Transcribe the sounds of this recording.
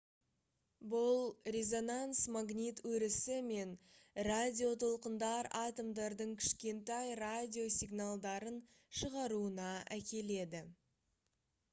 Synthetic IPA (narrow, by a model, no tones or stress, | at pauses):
bʊlˠɾʲe̞zo̞nansmaɡnʲit̪wɵɾɪsɪme̞nradʲio̞t̪ʰolˠqənd̪ɑɾɑt̪o̞md̪ɑɾd̪əɴkʲʰɪ̥ʃkʲe̞nt̪ɑjradʲio̞sʲiɡnalˠd̪ɑɾən | ʃəʁɑɾuənɑækʲe̞le̞d̪ɪ